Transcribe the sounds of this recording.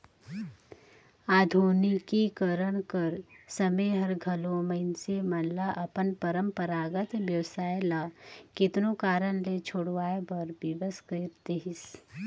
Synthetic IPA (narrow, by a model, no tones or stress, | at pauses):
aːd̪ʱuːnikikəɾəɽ̃kəɾsəmẽɦɐɾɡʱɐlõməɪnsemɐnlaʔɐpənpəɾəmpəɾaːɡət̪ʋjəwsaːjlakɪt̪nokaːɾəɽ̃let͡ʃʰoːɽʋaːebəɾbɪʋəskəɾt̪eɦɪs